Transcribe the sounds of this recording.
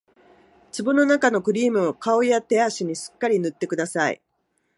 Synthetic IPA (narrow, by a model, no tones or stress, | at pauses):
t͡sɨbɯno̞nakano̞kɯ̟ɾʲiːmɯ̟akao̞jat̪e̞aɕiɲ̟iɕɨ̥kːaɾʲinɯ̟t̪ːe̞kɯ̟d̪asaḭ